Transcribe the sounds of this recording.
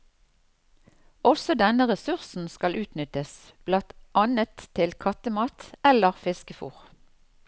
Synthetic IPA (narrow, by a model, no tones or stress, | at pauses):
ɔsɔd̪ɛnəʁɛsʉʁsn̩skɑlʔʉːt̪nʏt̪əs | b̥lɑt̪ʔɑnət̪ʰɪlkʰɑt̪əmɑːt̪ɛləʁfɪskəfṵːʁ